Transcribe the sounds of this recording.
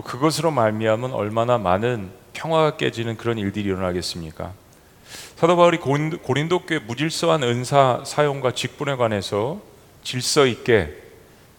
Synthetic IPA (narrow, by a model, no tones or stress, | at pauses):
okɯɡʌsʰɯɾomaɭmiɦamɯnʌ̰ɭmanama̰nɯnpʰjʌŋɦwaɡak͈e̞̰d͡ʑinɯnkɯɾʌniɭdɯɾiɾʌnɦaɡe̞s͈ɯmɲik͈a̰ | sʰadobauɾikkoɾindok͈emud͡ʑiɭs͈ʌɦanɯnsʰasʰajoŋɡwat͡ɕik̚p͈une̞ɡwane̞sʰʌ | t͡ɕiɭs͈ʌik͈e̞